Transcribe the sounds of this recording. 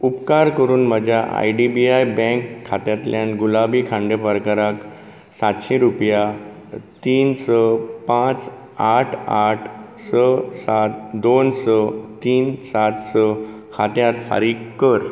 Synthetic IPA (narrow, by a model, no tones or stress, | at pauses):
upkaɾkəɾuːnməd͡ʑʱjaʔa̰jɖibiajbɛ̃ŋkʰːat̪jat̪ljãnɡulabiːkʰãɳɖepəɾkaɾak | sat̪ɕĩɾupja | t̪iːnsəpãt͡s | aʈʰaʈʰ | səsat̪̚d̪onsət̪iːnsat̪sə | kʰat̪jat̪fa̰ɾiːkkːəɾ